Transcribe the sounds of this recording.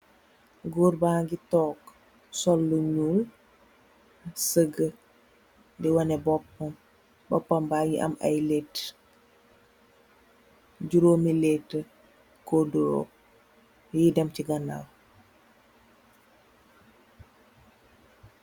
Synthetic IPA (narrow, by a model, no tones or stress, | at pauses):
ɡuːɾbaːŋɡitɔːk | sɔlːuɲuːl | səɡə | diwɐnɛbɔpːɐm | bɔpːɐmbaːŋiʔɐ̰mɐ̰jlet | ɟuɾoːmilɛtːə | koduɾo̰ː | jidɐmciɡɐna̰l